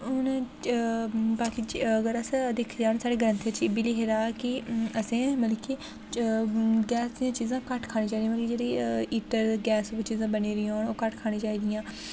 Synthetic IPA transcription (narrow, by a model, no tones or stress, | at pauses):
ʊnː | baːkiːəɡəɾəsd̪ekʰd͡ʒaːnsaːɽeːɡəɾə̃nt̪ʰəɾt͡ʃibiliːɦeːɾaːkɪəsẽːməlkiː | ɡɛːsd̪ijãːt͡ʃiːzãːkəʈkʰaːñiːd͡ʒaːiɾĩməlkid͡ʒeːɽiːiːʈəɾɡɛːst͡ʃiːzãːbəniːɾɪãɔːɾoːkəʈkʰaːnĩːd͡ʒaːiːd̪ɪjãː